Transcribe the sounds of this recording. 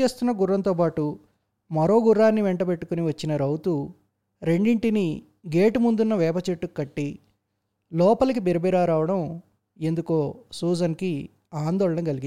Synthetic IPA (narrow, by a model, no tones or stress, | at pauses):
e̞ːst̪unːɐɡuɾːɐnt̪o̞ːpaːʈu | mɐɾoːɡuɾːaːnːiʋeɳʈɐpe̞ʈːukuniʋɐt͡ʃːinɐɾɐwt̪u | ɾe̞ɳɖiɳʈini | ɡe̞ːʈumund̪unːɐʋɛːpɐt͡ʃeʈːukːɐʈːi | lɔːpɐlɐk̬ibiɾɐbiɾaːɾaːʋɐɽɐm | e̞nd̪ukoːsuːd͡ʒɐnki | aːnd̪ɔːɭɐɳɐŋɡɐliɡi